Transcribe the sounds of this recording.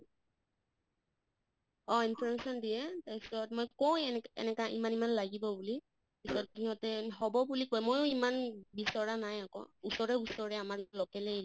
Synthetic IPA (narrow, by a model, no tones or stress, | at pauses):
ɔinpʰɔɹmesɔndijɛtajsɔtmojkowɛɛ̰nɛkaʔḭmanimanlaɡibɔbuli | bisɔtdʰinɔtɛɦɔbɔbulikojmojʊimanbisɔɹanajakɔ̰usɔɹɛusɔɹɛamaɹlɔkɛlɛ